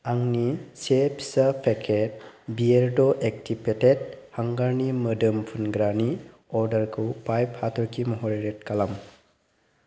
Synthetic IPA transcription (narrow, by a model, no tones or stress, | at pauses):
aŋnisepʰsapʰekʰet̚bieɾdɔʔek̚tʰipʰetet̚haŋɡaɾnimədɯmpʰunɡɾani | ɔɾdɐɾkʰɯwpajphatʰɔɾkʰimɔɦɔɾiɾet̚kalam